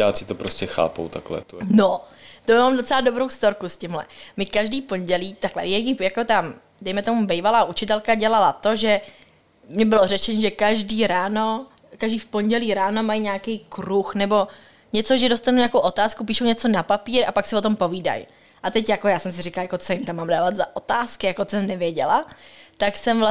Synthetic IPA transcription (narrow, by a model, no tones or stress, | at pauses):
jaːsɪ̥t̪opɾoscɛxa̰ːpo̰wt̪aklɛ̰t̪not̪omamdo̞t͡sɛlado̞bɾo̞wst̪o̞ɾkuscɪmɦlɛ̰mɪkaʒdiːfpo̞ɲɟɛliːt̪aklɛ̰jɛjɪjako̞t̪a | dɛjmɛt̪o̞mubɛjvalaːʔut͡ʃɪt̪ɛlkaɟɛlalat̪o̞ʒɛ | mɲɛbɪlorɛt͡ʃɛɲiʒɛkaʒdiːɾaːno | kaʒdiːfpo̞ɲɟɛliːɾaːno̞majɲaːkejkɾuxnɛbo̞ | ɲɛt͡so̞ʒɛdost̪anuɲaːkowʔo̞t̪aːskup̬iːʃowɲɛt͡so̞napapiːɾapaksɪvot̪o̞mpo̞viːda̰j | ʔat̪ɛcjakojaːsɛms̬ɪrɪkalajako̞t͡sojɪmt̪amːaːmdaːvad̪zaʔot̪aːskɪjakosɛmnɛvjɛɟɛlat̪aksɛmvla